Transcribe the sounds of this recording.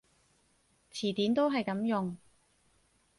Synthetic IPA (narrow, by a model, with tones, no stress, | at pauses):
t͡sʰiː˨˩t̪iː˨˥nt̪o˥wɦɐ˨jkɐ˨˥mjʊ˨ŋ